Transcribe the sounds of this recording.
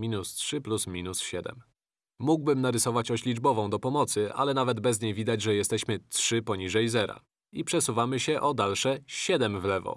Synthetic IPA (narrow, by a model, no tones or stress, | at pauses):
mʲinustʂɘplusmʲinusɕɛd̪ɛ̰m | muɡbɘmnaɾɘsɔvat͡ɕɔɕlʲid͡ʐbɔvɔ̃w̃d̪ɔpɔmɔt̪sɘʔa̰lɛnavɛd̪bɛzɲejvʲid̪ad͡ʑʐɛjɛst̪ɛɕmɘtʂɘpɔɲiʐɛjzɛɾa̰ | ipʂɛsuvamɘɕɛʔɔd̪alʂɛɕɛd̪ɛmvlɛvɔ̰